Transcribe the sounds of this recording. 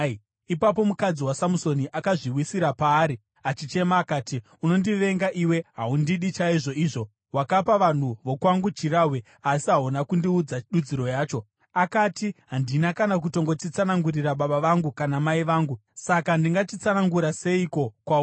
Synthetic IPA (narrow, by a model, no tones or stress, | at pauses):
ipap̬o̞mukad͡ziwasamuso̞niʔakaʐiwisiɾapaːɾi | at͡ʃit͡ʃe̞maːkaːti | uno̞ndiʋe̞ŋɡaʔiwe̞ɦaundiɗit͡ʃaiʐo̞iʐo̞ | wakapaʋan̤uʋo̞kwaŋɡut͡ʃirawe | asiɦaunakundiud͡zaɗud͡ziɾo̞jaːt͡ʃo̞ | akatiɦandinakanak̬uto̞ŋɡo̞t͡ʃit͡sanaŋɡuriraɓaɓaʋaŋɡukanamaiʋaːŋɡusakandiŋɡatit͡sanaŋɡuɾase̞iko̞kwa